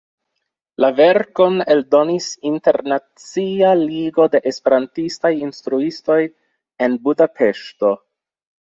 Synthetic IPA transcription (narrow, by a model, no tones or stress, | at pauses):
lave̞ɾko̞neldo̞nisinte̞ɾnat͡sialiɡo̞de̞ʔespe̞ɾantistajinstɾuisto̞j | e̞nbudapʰe̞ʃto̞